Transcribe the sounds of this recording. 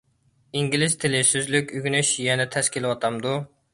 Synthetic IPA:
iŋɡʲilɪzt̪ʰɪlɪsyzlykʲyɡʲynyʃjɛnɛt̪ʰɛskʲilˠwɑt̪ʰɑmd̪u

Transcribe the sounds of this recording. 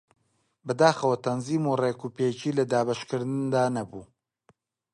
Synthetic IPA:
bɨd̪aːxɐwɐt̪ɐnziːmureːkupeːt͡ʃiːlɐd̪aːbɐʃkɨɾd̪ɨnd̪aːnɐbṵː

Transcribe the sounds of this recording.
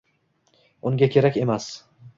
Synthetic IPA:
ʊŋɡʲakʲʰe̞ɾakʲe̞mas

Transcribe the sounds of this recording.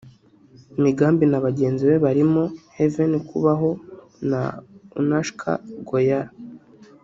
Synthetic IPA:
imiɡaːmbinaβaɟe̞ːnziwe̞βaɾimo̞hevenikuβaɦo̞ | na̰ṵnaʃkʰa̰ɡojaɾ

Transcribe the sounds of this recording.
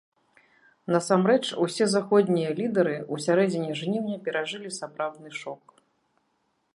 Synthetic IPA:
nɐsamɾɛt͡ʂusʲɛzaxɔd̪ʲnʲijɐlʲid̪ɐɾɨusʲaɾɛd͡zʲɪnʲɛʐnʲiwnʲɛpʲɛɾaʐɨlʲisapɾawd̪̚nɨʂɔk̚

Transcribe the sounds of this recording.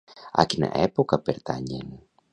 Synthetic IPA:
a̰cina̰ʔepokɐpeɾt̪aɲḛn

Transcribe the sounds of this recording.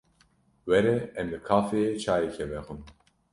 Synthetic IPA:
wɛɾɛɛmlɨkʰaːfeet͡ʃʰaːjekʰɛvɛxun

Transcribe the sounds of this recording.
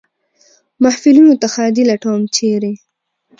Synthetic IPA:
maħfilinot̪axɑd̪ilaʈawmt͡ʃeɾi

